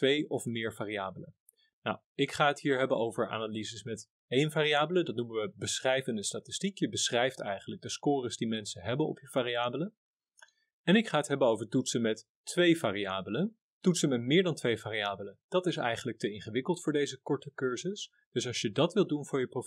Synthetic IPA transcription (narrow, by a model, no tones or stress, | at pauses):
tʋejɔfmɪːɹvaːriaːbələ̰ | na̰w | ɪkχaːətɦiːɹɦɛbənowvəɹʔa̰ːnalizəsmɛt | ejnvaːriaːbələdɑtnumənʋəbəsχrɛjvəndəstaːtɪ̥stikjəbəsχrɛjftɛjχənlək̚dəskʊːrəzdimɛnsəɦɛbənɔ̰pjəv̥aːriaːbələ | ɛnɪkχaːətɦɛbənowvəɹtutsəmɛtː | ʋejvaːriaːbələ | tutsəmɛtmɪːɹdɑntʋejvaːriaːbələd̥ɑtɪsɛ̰jχənlək̚təɪnχəʋɪkəlˠtfʊːɹdejzəkɔɹtəkøɹzəs | d̥ɵsɑlˠsjədɑtʋɪlˠdunvʊːɹjəpro